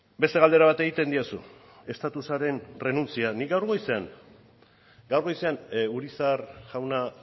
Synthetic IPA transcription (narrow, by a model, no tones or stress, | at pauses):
be̞st̪e̞ɣald̪eaβ̞at̪e̞ɣit̪e̞nd̪iasṵ | e̞st̪at̪usaɾe̞nre̞nunt͡sianiɡawɾɣo̞jse̞aŋ | ɡawɾɣo̞jse̞anuɾisaɾʝawna